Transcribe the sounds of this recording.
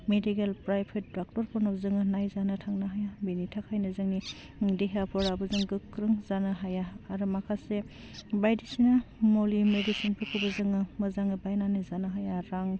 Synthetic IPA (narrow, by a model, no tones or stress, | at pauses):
medikelpɾajpʰet̚dak̚tɔɾpɔnabzɯŋɯnajzanɯtʰaŋnaɦajabenitʰakhajnɯzɯŋni | deɦapʰɔɾabɯzɯŋɡɯkʰːɾɯŋzanɯɦajaːɾɯmakʰase | bajdisinamolimedisinpɯkʰubɯzɯŋɯmɯzaŋɯbajnanizanɯɦajaɾaŋ